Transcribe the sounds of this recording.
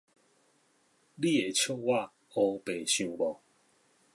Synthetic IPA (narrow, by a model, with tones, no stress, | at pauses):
li˦˨e˨t͡ɕʰjo˥˧wa˥˧˨ | o˧˦pe˨ɕjũ˨˦bɔ˨